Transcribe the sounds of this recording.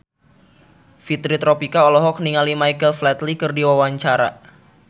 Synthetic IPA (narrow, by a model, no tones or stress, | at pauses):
fit̪ɾit̪ɾopikaɔlɔɦɔk̚niŋalimajkəlflɛt̪likɨrdiwawaɲt͡ʃaɾa̰